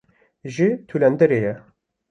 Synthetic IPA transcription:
ʒit̪ʰulɛnd̪ɛɾeːjɛ

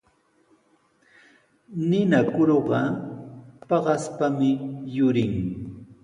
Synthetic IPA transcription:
nɪnakʊɾoɢɑ | pɑɢɑspamɪjʊɾɪŋ

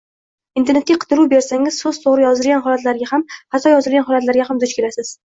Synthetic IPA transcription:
ɪnt̪ʰe̞ɾne̞t̪̚ʲaqʰɨ̥t̪ʰɪɾuwbe̞ɾsaŋʲɪzsɵz̥t̪ʰoʁɾɪjɒzɪlɡʲanɦɒlat̪laɾɡʲahamhat̪ʰɒjɒzɪlˠɡʲanɦɒlat̪laɾɡʲaɦamd̪ʊt͡ʃkʲe̞lasɪz̥

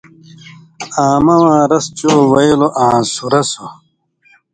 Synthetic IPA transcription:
aːmɐwãːɾɐst͡ɕoːwɐjiloʔãːsuɾɐso

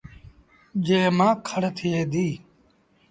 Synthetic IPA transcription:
d͡ʒeːmãːkʰəɽt̪ʰɪeːd̪iː

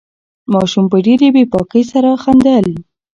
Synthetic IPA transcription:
mɑʃumpəɖeɾebepɑkəjsaɾaxand̪əl

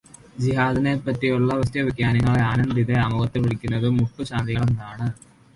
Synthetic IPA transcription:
d͡ʑiɦaːðɐnepːɐtːijuɭːɐʋɐstjɐʋikjaːnɐŋːɐɭeaːnɐnd̪iðeaːmuɣɐt̪ːiʋiɭikʲːunːɐðɨmuʈːuɕaːnd̪iɣɐɭɐnnaːɳɨ

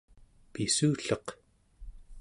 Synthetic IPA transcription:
pisuːɬʌq

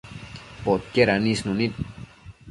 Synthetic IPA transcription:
pot̪̚keɾanisnunit̪̚

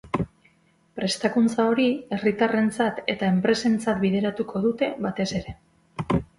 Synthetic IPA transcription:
pɾe̞st̪akunt͡sao̞ɾie̞rit̪are̞nt͡sat̪e̞t̪ae̞mpɾe̞se̞nt͡sat̪biðe̞ɾat̪uko̞ðut̪e̞βat̪e̞se̞ɾe̞

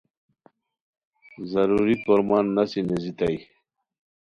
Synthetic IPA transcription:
zɐɾuːɾipoɾmaːnːasinezit̪aj

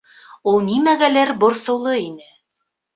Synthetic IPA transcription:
ulˠnimæɡælæɾbŏɾsŏwlˠɤinɘ

